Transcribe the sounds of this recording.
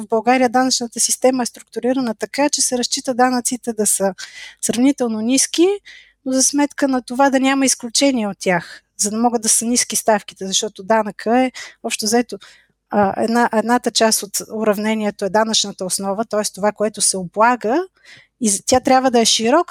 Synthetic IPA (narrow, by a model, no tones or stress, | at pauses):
vbɐlˠɡaɾijəd̪anɐt͡ʃnət̪əsist̪ɛməɛst̪ɾʊk̚t̪ʊɾiɾənət̪ɐkat͡ʃɛsɛɾɐst͡ʃit̪əd̪anət̪sit̪ɛd̪ɐsəsɾɐvnit̪ɛlˠnoniski | nozɐsmɛt̪kənɐt̪ovad̪ɐnʲaməisklʲut͡ʃɛnʲiɛot̪̚ːʲax | zɐd̪ɐmɔɡəd̪ɐsəniskist̪afkit̪ɛzɐʃt̪ɔt̪od̪anəkʰəɛɔpʃt̪ɛzɐɛt̪o | ʔɛ̰d̪naʔɛd̪nat̪ət͡ʃast̪ot̪ʊɾɐvnɛniɛt̪oɛd̪anɐt͡ʃnət̪əosnɔvət̪ɔɛst̪ovakoɛt̪osɛoblˠaɡə | izt̪ʲjat̪ɾʲabvəd̪ɐɛʃiɾɔk